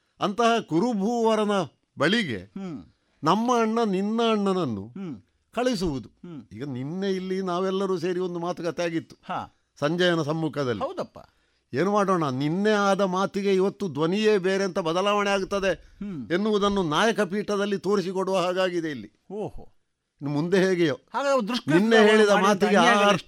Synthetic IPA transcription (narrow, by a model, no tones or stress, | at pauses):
ɐnt̪ɐɦɐkuɾubʱuːʋɐɾɐnɐ | bɐɭiɡe̞̰ | nɐmːɐːɳːɐninːɐːɳːɐnɐnːṵ | kɐɭis̬uʋud̪uiːɡɐninːe̞ilːinaːʋɛlːɐɾuːs̬e̞ːɾio̞nd̪umaːt̪ukɐt̪ːɛaːɡit̪ːu̥ha | sɐɲd͡ʒɐjɐnɐsɐmːuːkʰɐd̪ɐliɐwd̪ɐpːa̰ː | e̞ːnumaːɽoːɳɐninːe̞aːd̪ɐmaːt̪iɡe̞iʋɐt̪ːud̪ʋɐnijeːbeːɾeɐnt̪ɐbɐd̪ɐlaːʋɐɳɛaːɡut̪ːɐd̪e̞enːuʋud̪ɐnːunaːjɐkɐpiːʈɐd̪ɐlːit̪o̞ːɾisikoɽuʋɐɦaːɡaːɡid̪e̞ilːi | oo | mund̪e̞ɦeːɡɛjohaːɡad̪ɾuʂkninːeɦe̞ːɭid̪ɐmaːt̪iɡe